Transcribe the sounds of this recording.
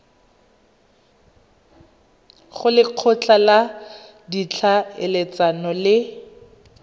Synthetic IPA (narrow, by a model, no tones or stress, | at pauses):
χʊlɪq͡χʰɔt͡ɬʰala | dit͡ɬʰaɪlet͡sanɔlɪ